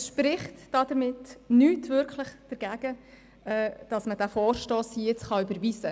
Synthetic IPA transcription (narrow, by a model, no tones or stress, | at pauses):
sʃpɾɪχtd̥ɑd̥əɾmɪtnyːtvʏɾkʰlɪχd̥əɾɡ̥æɡ̥ə | ɛd̥ɑsməd̥æfɔːrʃtoːsijɪt͡sχɑybəɾʋisə